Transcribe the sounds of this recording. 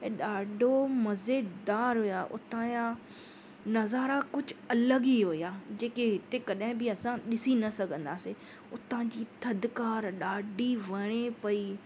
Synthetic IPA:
ɗaːɖʱomɐzeːd̪aːɾɦʊjaːʔʊt̪ãːja | nɐzaːɾakʊd͡ʑʱʊɐləɡiɦʊijaːd͡ʑeːkeɦɪt̪ekɐɗɦɪ̃bɪɐsãɗɪsinɐsɐɡʱə̃nd̪aːse | ʊt̪ãd͡ʑiːt̪ʰɐd̪kaːɾɗaːɖʱiʋɐɽ̃epɐiː

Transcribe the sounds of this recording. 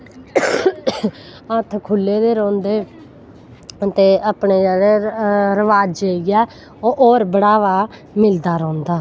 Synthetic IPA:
ət̪ʰkʰʊlːeːd̪eːɾɔ̃ːnd̪eː | t̪eːʔaːpɳeːd͡ʒaːɾeɾəʋaːd͡ʒeːiɡɛː | oʔoːɾbəɽaːʋaː | mɪld̪aːɾɔ̃ːnd̪aː

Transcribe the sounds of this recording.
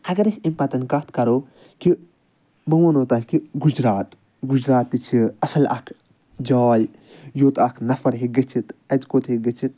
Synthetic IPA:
hɐɡɐɾɐsimpɐt̪ɐnkɐt̪kɐɾoː | ki | bɐmɐnoːt̪aːlʲkiɡud͡ʒɾaːt̪ | ɡud͡ʒɾaːt̪ːit͡ʃʰiɐsɐlʔɐ̰kʰ | d͡ʒaːj | joːt̪ɐkʰnɐfɐɾɦiɡɐt͡ʃʰit̪ɐt̪kot̪ɦiɡɐt͡ʃʰit̪̚

